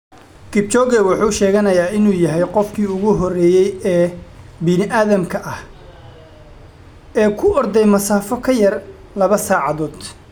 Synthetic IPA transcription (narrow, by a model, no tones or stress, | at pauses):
kɪb̚t͡ʃɔɣɛwʊħuːʃɛːɣɐnɐjaːɪnuːjɐɦɛjqɔfkʰiːʊɣʊɦɔrɛːjɛjɛːbɪnɪʔaːðɐmkʰɐʔɐh | ɛːkʰʊʔɔrd̪ɛjmɐsaːfɔkʰɐjɐr | lɐβɐsaːʕɑðɔːd̪